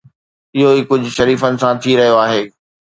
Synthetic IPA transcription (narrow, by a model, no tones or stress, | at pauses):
ɪɦoiːkʊd͡ʑʱʊ̆ʃɐɾiːfənɪ̆sãt̪ʰiɾɐɦijoaːɦeː